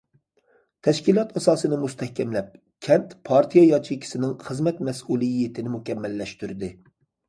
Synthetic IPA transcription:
t̪ʰɛʃkʲilˠɑt̪ɑsɑːsɨnɨmust̪ʰɛhkʲɛmlɛp̚ | kʲʰɛnt̪pʰɑɾt̪ʰijɑjɑt͡ʃʰikʲʰi̥sɪnɪŋχəzmɛt̪mɛsulˠɨjːet̪ʰɪnɪmukʲɛmːɛlːɛʃt̪yɾɪd̪ɪ

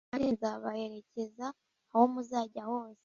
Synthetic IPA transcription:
aɾinzaβahe̞ɾe̞ce̞zaː | homuzaːɟaho̞ːse̥

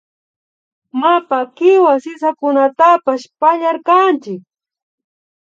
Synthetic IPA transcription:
mapakɪwasɪsakʊnat̪apaʃpaʎaɾkant͡ʃɪk̚

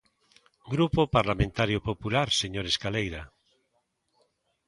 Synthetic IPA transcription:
ɡɾupopaɾlamẽnt̪aɾjopopulaɾseɲoɾeskalejɾa

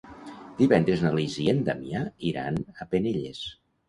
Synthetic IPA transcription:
d̪iβɛnd̪ɾeznaliziend̪amiaiɾa̰nəpeneʎḛs

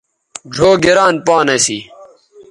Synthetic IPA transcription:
d͡ʑʱoːɡeɾaːnpaːnɐsḭ

